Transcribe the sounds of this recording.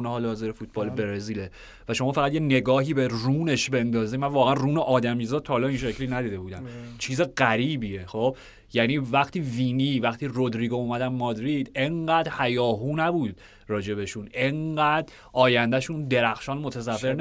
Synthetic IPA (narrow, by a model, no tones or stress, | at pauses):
nɦɒːlhɒːziɾefuːt̪̚ʰbɒːlebeɾeziːle | væʃo̞mɒːfæɣæd̪jene̞ɡɒːhiːberuːne̞ʃbe̞nd̪ɒːzimænvɒːɣeænruːneʔɒːd̪æmiːzɒːdt̪̚tʰːɒhːlɒinʃecʰliːnæd̪iːd̪e̞buːd̪æmt͡ʃʰiːzeɣæɾiːbiexob̥ | jæːniːvæχt̪ʰiːviːniːvæxt̪ʰiːrod̪ɾiːɡouːmæd̪ænmɒːd̪ɾid̪̥e̞ŋɢæːd̪hæjɒːɦuːnæbuːd̪̥ | rɒːd͡ʒe̞βe̞ʃune̞ŋɢæd̪ | ʔɒːjænd̪æʃuːnd̪e̞ɾæxʃɒːnmo̞t̪ʰæzævːeɾn